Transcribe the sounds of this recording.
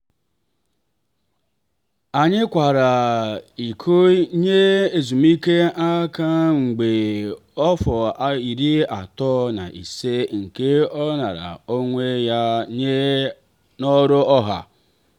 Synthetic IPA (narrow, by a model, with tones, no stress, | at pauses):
a˨ɲɪ˦kʷa˨ɾa˨i˨kʰo˦ɲe˦e˦˨zu˨m˦i˦ke˦a˦ka˦ŋ͡m̩˨ɡ͡be˨ | ɔ˦fɔ˨˦i˨ɾi˦a˨tɔ˦na̰˨ʔḭ˨se˦ŋ̩˨ke˦ɔ˦na˨ɾa̰˨o˦ŋʷe˦ja˦ɲe˦ | nɔ˦ɾo˦ɔ˦ɦa̰˨